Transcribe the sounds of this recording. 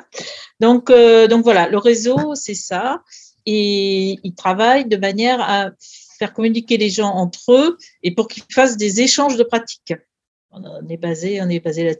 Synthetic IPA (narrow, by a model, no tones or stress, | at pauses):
d̪ɔ̃kød̪ɔ̃kvwalaləʁezosɛsa | eilt̪χavajd̪əmanjɛʁa | fɛʁkɔmynikʲeleʒɑ̃ɑ̃t̪χøepuʁkʲilfasd̪ezeʃɑ̃ʒd̪əpχat̪i̥k | ɔ̃nɛbazeɔ̃nɛbazela